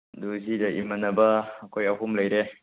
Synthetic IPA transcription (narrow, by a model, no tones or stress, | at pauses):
duzidɐʔḭmɐnɐbɐːkʰojɐɦumlɐjɾe